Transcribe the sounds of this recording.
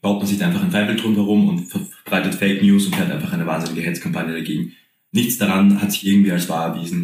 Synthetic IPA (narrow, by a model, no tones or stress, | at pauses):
b̥aʊtmanzɪçʔaɪfaχaɪnfaɪfl̩tʁʊmhɛʁʊmʊ̰ntfɛɐb̥ʁaɪtətfeɪknjuːsʊntfeːɐtʔa̰ɪnfaχʔaɪnəvaːnzɪnɪɡəɦɛt͡skʰampanjədaɡeːɡŋ̩ | nɪçt͡sd̥aʁanhatz̥ɪçɪɐɡŋ̩tv̥iːalsv̥a̰ːɛɐviːzn̩